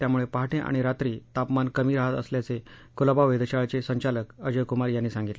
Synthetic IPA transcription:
t̪jamuɭepəɦaʈẽʔa̰ɽ̃iɾat̪ɾiːt̪apmankəmiːɾaɦat̪ə̰sljat͡sekulabaʋed̪əɕaɭt͡sesəɲt͡ɕaləkəd͡ʑəkumaɾjanːiːsãŋɡit̪le

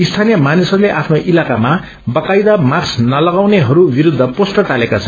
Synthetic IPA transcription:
ist̪ʰanijʌmanisʌɾuleʔapʰnoʔilakama | bʌkajd̪amaksnʌlʌɡawneɦʌɾubiɾud̪ʱːʌposʈʌʈalekat͡sʰʌn

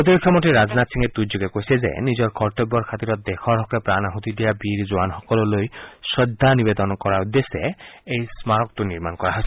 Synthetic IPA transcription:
ɾot̪ibikʰːɔmɔʈiɾad͡znat̪siŋed̪ujd͡ʒoɡekoisezḛnid͡ʑɔɾkɔɾʈɔbːɔɾkʰat̪iɾɔt̪̚d̪ekʰɔɾɦɔkepɾanaɦut̪id̪ijabiɾzoanɦɔkɔlɔlojsɔd̪ʱːanibed̪ɔnɔkɔɾaud̪eseejsmaɾɔk̚t̪uniɾmankɔɾaɦɔsʰi

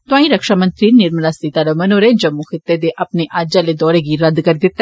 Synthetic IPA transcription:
t̪ʊãːĩɾɐkʃamə̃nt̪ɾiːnɪɾmlasit̪aɾəmɐnoːɾed͡ʒɐmːuxɪt̪ːed̪eʔɐpneʔaːd͡ʒaled̪ɔːɾeɡiɾɐd̪kɐɾid̪ɪt̪ːɛ

